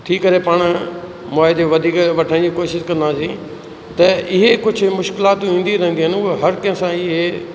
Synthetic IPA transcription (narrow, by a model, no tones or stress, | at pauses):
ʈʰiːkɐɾepaːɽ̃ | mɔaːɦd̪eʋɐd̪ʱiːkʋɐʈʰəɽ̃d͡ʑiːkoːʃɪʃkɐ̃nd̪aːsĩː | t̪ɐɪɦekʊd͡ʑʱʊ̆mʊʃkɪlaːt̪ĩːn̆d̪iɾɐɦə̃nd̪iɦənɪ̆ʊɦeɦɐɾkɐ̃ɦsãɪɦe